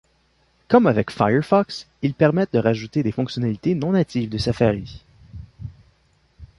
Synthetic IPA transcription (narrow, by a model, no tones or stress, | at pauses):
kʌmavɛkfa̰jəɹfɔks | ilpɛʁmɛt̪̚d̪əʁaʒut̪ed̪efɔ̃ksjɔnalit̪enɔ̃nat̪ivd̪əsafaʁi